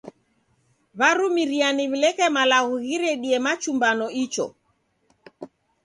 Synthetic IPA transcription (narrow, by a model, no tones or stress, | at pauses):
βaɾumiɾianiβilɛkɛmalaɣuɣiɾɛɗiɛmat͡ʃumbanɔit͡ʃɔ̰